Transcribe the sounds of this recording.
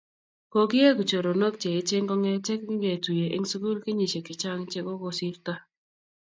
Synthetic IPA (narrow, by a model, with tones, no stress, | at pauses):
ko˨kɪ˦je˦ku˨t͡ʃo˨ɾo˨no˦k̚t͡ʃe˨ɪ˦t͡ʃe˦ŋkɔ˦ŋɛ˦t͡ʃɛ˦kŋ˦ɡe˨tu˨je˨ʔɪ̰˦ŋ˦su˦ɡu˦lkɪ˦ɲi˨ʃe˨kɪ˨t͡ʃa˦ŋt͡ʃe˦ko˦ko˨si˦ɾta˦